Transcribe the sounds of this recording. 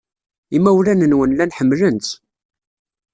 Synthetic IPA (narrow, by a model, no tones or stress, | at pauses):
imːæwlænənwənlænħəmːlənt̪